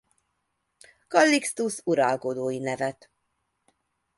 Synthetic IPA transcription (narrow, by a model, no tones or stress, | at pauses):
kɒlːikst̪usuɾɒlkod̪oːjinɛvɛt̪